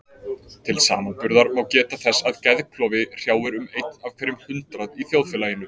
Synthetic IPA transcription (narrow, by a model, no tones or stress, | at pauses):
t̪ʰɪlsa̰ːmanpʏɾðaɾmawcɛːt̪aθɛsːaðcɛðkʰlɔːvɪr̥jaːwɪɾʏmejt̪nav̥kʰvɛːɾɪmhʏnt̪ɾaðiθjowðfɛlajɪnːʏ